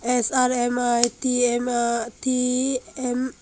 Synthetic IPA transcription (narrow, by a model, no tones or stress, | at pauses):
ɛsaɾɛmajt̪iɛmt̪iɛm